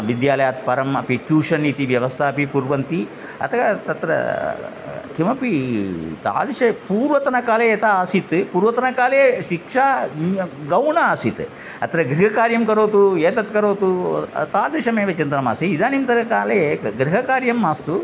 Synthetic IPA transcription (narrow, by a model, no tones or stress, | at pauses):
ʋid̪jaːlɐjaːt̪̚pɐɾɐmɐpikjuːʂɐnːiːt̪iʋjɐʋɐst̪ʰaɐpipuɾʋɐnt̪i | ɐ̰t̪ʰɐɡɐt̪ɐt̪ɾɐ̰ | kʰimɐpit̪a̰ːd̪ɾiʂɐpuːɾʋɐt̪ɐnɐkaːleɐt̪ʰaaːsit̪puːɾʋɐt̪ɐnɐkaːleːʃikʂaː | ɡɐwɳɐaːsit̪ | ɐt̪ɐɾɐɡɾiɦɐkaːɾjɐmkɐɾoːt̪ueːt̪ɐt̪kɐɾoːt̪ut̪aːd̪ɾiʂɐmeːʋet͡ʃɐnd̪ɐnɐma̰ːsiid̪aːnimt̪ɐɾɐkaːleɡɾiɦɐkaːɾjɐmːaːst̪u